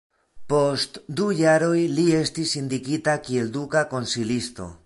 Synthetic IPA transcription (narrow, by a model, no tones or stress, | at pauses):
po̞st̪d̪ujaɾo̞jlie̞stisind̪ikitakie̞ld̪ukako̞nsilist̪o̞̰